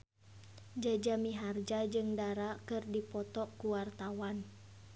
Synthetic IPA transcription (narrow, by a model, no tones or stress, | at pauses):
d͡ʒad͡ʒamiɦard͡ʒad͡ʒɨŋdaɾakɨrdipɔt̪ɔkuwart̪awan